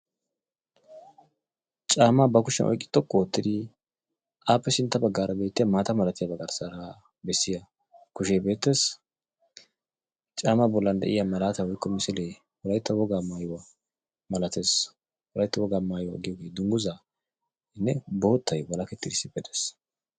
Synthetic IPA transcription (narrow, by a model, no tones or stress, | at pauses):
t͡ʃʼaːmabɐkʊʃɛnʔɔ̰jkʼːɪ̥t̪ːɔkʼːɔwɔt̪ːɪd̪ɪ | ʔaːpːɛsɪnt̪ːɐbɐɡːaːɾɐbe̞ːt̪ːɪjɐmaːt̪ɐmɐlɐt̪ɪjɐbɐɡɐɾsaɾa | bɛsːɪja | kʊʃebe̞ːt̪ːe̞ːs | t͡ʃʼaːmabɔlːɐnd̪ɛ̰ʔɪ̰jamɐlaːt̪ɐwɔjkːɔmɪsɪle | hɔɾɐjt̪ːɐwɔɡaːmaːjʊwɐ | mɐlɐt̪e̞ːs | hʊlɐjt̪ːɐwɔɡaːmaːjwɡɪjɔːɡeːd̪ʊŋɡʊza | ɪnːɛboːt̪ʰːɐjbɐlɐkɛt̪ːɪd̪ɪsːɪbɛt̪es